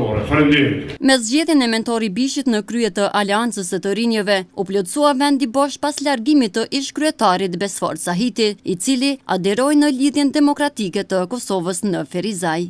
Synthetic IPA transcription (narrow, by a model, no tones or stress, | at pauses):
ɔɾɛfɾɛnd̪imit̪mɛzɟɛðjɛnɛmɛnt̪ɔɾibiʃit̪nəkɾyɛt̪əʔalɛant͡səsət̪əɾinəvɛuplɔt̪st͡suavɛnd̪ibɔʃpaslaɾɡimit̪əʔiʃkɾyɛt̪aɾit̪bɛsfɔ̰ɾt̪saɦit̪iit͡silia̰d̪ɛɾɔjnəliðjɛnd̪ɛmɔkɾat̪ikɛt̪əkɔsɔvəsnəfɛɾizaj